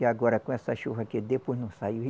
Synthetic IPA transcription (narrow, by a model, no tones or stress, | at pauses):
ɪaɡɔɾɐkõɛsɐʃuɦɐked̪eponɐ̃sajui